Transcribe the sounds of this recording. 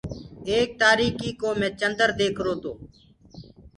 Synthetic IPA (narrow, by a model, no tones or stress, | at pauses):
eːk̚t̪aːɾiːkiːkoːmẽːt͡ʃənd̪əɾd̪eːkʰɾoːt̪oː